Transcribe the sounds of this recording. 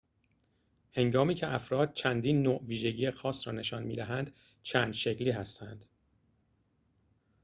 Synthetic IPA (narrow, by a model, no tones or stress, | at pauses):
he̞ŋɡɒːmiːcʰeʔæfɾɒːd̪̚t͡ʃʰænd̪iːnːoːʔviːʒe̞ɟiːexɒːsɾɒːne̞ʃɒːnmḭːd̪æɦænd̪̥ | t͡ʃʰæːnd̪ʃecliːɦæst̪ʰænd̪̥